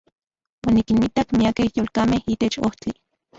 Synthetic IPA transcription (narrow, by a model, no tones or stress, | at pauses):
wanikinmit̪akmiakehjolkamehit̪et͡ʃoht͡si